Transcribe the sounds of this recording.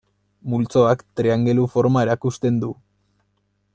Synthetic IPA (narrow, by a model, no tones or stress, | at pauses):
mult͡so̞akt̪ɾeaŋɡe̞lufo̞ɾmae̞ɾakust̪e̞nd̪u